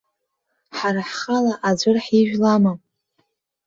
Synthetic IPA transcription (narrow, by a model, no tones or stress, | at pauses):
ħaɾaħχalaʔad͡zʷʊrħiʒᶣlama